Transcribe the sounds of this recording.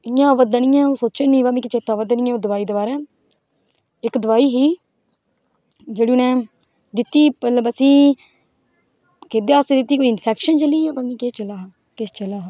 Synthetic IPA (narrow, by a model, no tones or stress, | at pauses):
ɪjãːʋəd̪ənɪjãːoːsoːt͡ʃeːnĩːbaːmĩːkɪt͡ʃeːt̪ãːʋəd̪ənɪ̃jãod̪əʋaːiːd̪ebaːɾɛː | ɪkd̪ʊʋaːiːɦiː | d͡ʒeːɽiːʊnɛ̃ː | d̪ɪt̪ːiːpələbəsĩː | ked̪eːaːst̪eːd̪ɪt̪ːiːkoːiɪnpʰɛːkʃənt͡ʃəliːaːbãːŋɡiːket͡ʃəlaːɦ | kɪt͡ʃəlaːɦa